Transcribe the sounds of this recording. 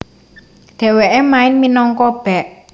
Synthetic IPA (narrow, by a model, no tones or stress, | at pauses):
d̪̥e̤weʔemaɪnminɔŋkɔb̥ɛʔ